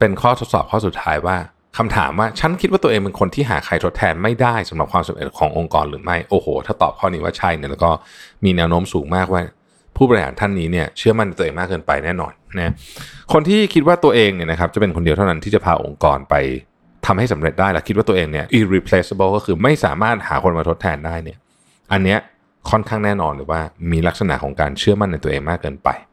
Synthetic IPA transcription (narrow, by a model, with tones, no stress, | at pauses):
pe˧nkʰɔː˥˩t̪ʰo˦˥t̪̚sɔ̰ː˨˩p̚kʰɔː˥˩su˨˩t̪ʰːaː˦˥jwaː˥˩ | kʰa˧mt̪ʰa̰ː˩˦mwaː˥˩t͡ɕʰa˦˥nkʰi˦˥t̪wa˥˩t̪u˧ʔeː˧ŋmpe˧nkʰo˧nt̪ʰiː˥˩ɦa̰ː˩˦kʰa˧jt̪ʰo˦˥t̪ʰɛː˧nma˥˩jdaː˥˩jsa˩˦ɾa˨˩p̚kʰwaː˧msa˨˦mɾḛ˨˩kʰɔ̰ː˩˦ŋʔo˧ŋkɔ̰ː˧nɾɯː˩˦ma˥˩jʔoː˧hoː˩˦t̪ʰaː˥˩t̪ɔ̰ː˨˩p̚kʰɔː˥˩niː˦˥wa̰ː˥˩t͡ɕʰa˥˩jni˥˩lɛː˦˥kɔː˥˩miː˧nɛː˦˥wnoː˦˥msuː˩˦ŋmaː˥˩k̚waː˥˩ | pʰuː˥˩bɔː˧ɾi˧˩ha̰ː˨˩˦nt̪ʰa˥˩nːiː˦˥ni˥˩ɐt͡ɕʰɯ˦˥ɐma˥˩nː˧˩t̪uː˧ŋmaː˥˩kːɤː˧npa̰˧jnɛː˥˩nɔ̰ː˧nna˦˥kʰo˧nt̪ʰiː˥˩kʰi˦˥t̪̚waː˥˩t̪u˧ɐʔeː˧ŋni˥˩ɐn˦kʰa˦˥p̚t͡ɕa˨˩pe˧nkʰo˧ndi˧t̪ʰna˦˥t̪ʰiː˥˩t͡ɕa˨˩pʰaː˧ʔo̰˧ŋkɔː˧npa˧j | t̪ʰa˧mha˥˩jsa˩˦mɾe˨˩t̪̚daː˥˩jlɛː˦˥kʰi˦˥waː˥˩t̪u˧ʔeː˧ŋni˥˩ɐʔi˧ɾi˧pʰle˦˥se˧bɤ˥˩˨kɔː˥˩kʰɯː˧ma˥˩jsa̰ː˩˦maː˥˩t̪̚ha̰ː˩˦kʰo˧nmaː˧t̪ʰo˦˥t̪ʰɛː˧ndaː˥˩jni˥˩ɐ | ʔa˧nːi˦˥ɐ | kʰɔ˥˩nkʰaː˥˩ŋnɛː˥˩nɔː˧nɾwaː˥˩miː˧la˦˥k̚sa˧na̰˩˦kʰɔː˩˦ŋkaː˧nt͡ɕʰɯ˥˩ɐma˥˩nːa˧jt̪u˧ɐʔeː˧ŋmaː˥˩kːɤː˧npa̰˧j